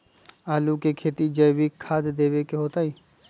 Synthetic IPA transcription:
aːlukekʰeːt̪id͡ʒəbikʰaːd̪d̪eːwekeɦoːt̪aːiː

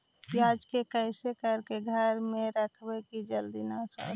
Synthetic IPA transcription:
piad͡ʒkekəɪsekəɾkeɡʱəɾmẽɾəkʰbɛkid͡ʒəld̪inasa̰

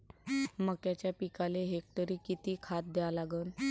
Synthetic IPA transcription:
məkjat͡ɕjapikaleɦek̚t̪əɾiːkit̪iːkʰat̪̚d̪eʋalaɡəːn

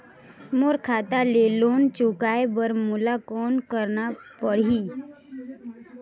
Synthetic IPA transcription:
moɾkʰat̪alelont͡ʃukajbəɾmulakɔnkəɾnapəɽ̤iː

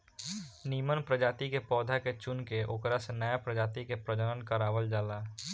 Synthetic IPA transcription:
niːmənpɾəd͡ʒaːt̪ikepɔːd̪ʱaket͡ʃʊnkeʔoːkɾasenəjapɾəd͡ʒaːt̪ikepɾəd͡ʒəɾənkəɾaːʋəld͡ʒaːlaː

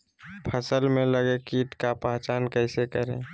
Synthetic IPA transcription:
pʰəsəlmẽləɡekiʈ̪kapaɦt͡ʃaːnkəɪsekəɾḛ̃

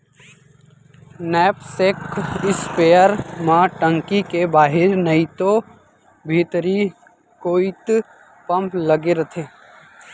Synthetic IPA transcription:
nɛːpsekɪspeːəɾmãʈə̃ŋkikebaːɦɪɾnəit̪o | bʱiːt̪ɾi | koːit̪ | pɐ̃mplɐɡeɾɐt̪ʰeː

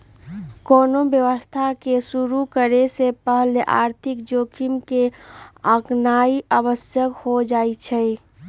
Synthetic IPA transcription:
koːnobjəʋəst̪ʰakesuɾukəɾesepəɦəlʔa̰ːɾt̪ʰɪkd͡ʒoːkʰimkeəknaiʔaːbəsjəkhod͡ʒaːit͡ʃʰɛ

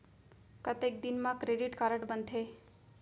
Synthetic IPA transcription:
kət̪ek̚d̪inmãkɾeɖiʈkaɾəʈbənd̪ʰe

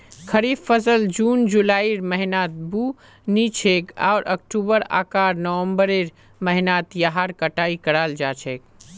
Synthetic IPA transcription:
kʰəɾifːəsəld͡ʒuːnd͡ʒulaːiɾməɦinaːt̪̚bu | nit͡ʃʰeːka̰ːɾʔə̰k̚ʈubəɾa̰ːkaːɾnəwə̃mbəɾeɾ | məɦnaːt̪jaɦaɾkəʈaːikəɽaːld͡ʒaːt͡ʃʰeːk̚

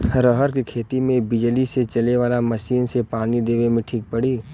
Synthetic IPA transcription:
ɾɔɦəɾkikʰeːt̪imẽbɪd͡ʒliset͡ʃɐleʋaːlamɐʃiːnsepaːnid̪eːʋemẽʈʰiːk̚pəɽiː

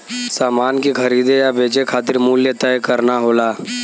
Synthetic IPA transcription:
saːmaːnkixɐɾiːd̪ejabeːt͡ʃekʰaːt̪ɪɾmuːljət̪ɛjkɐɾnaɦoːlaː

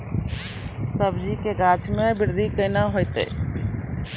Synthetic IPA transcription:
səbd͡ʒikeɡaːt͡ʃʰmebɪɾd̪ʱikəɪnaɦojt̪ḛ

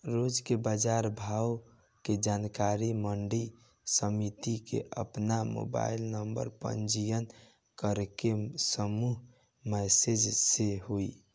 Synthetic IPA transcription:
ɾod͡ʒkebad͡ʒaɾbʱaw | ked͡ʒankaɾiməɳɖi | səmit̪ikḛʔə̰pnamo̰ba̰ilnəmbə̰ɾpə̰nd͡ʒijən | kəɾkesəmuɦ | mɛsed͡ʒseɦoi

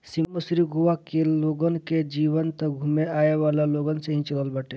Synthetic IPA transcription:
siməsɾiɡuʋakeloɡənked͡ʒiβənt̪əɡʱumeaeʋalaloɡənsẽɦĩt͡ʃələlbaʈe

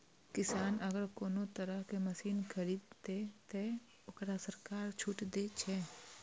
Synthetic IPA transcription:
kɪsaːnəɡəɾkoːnot̪əɾəɦkeməsiːnkʰəɾiːd̪t̪et̪e | ʊkɾasəɾkaːɾt͡ʃʰʊʈd̪et͡ʃʰɛː

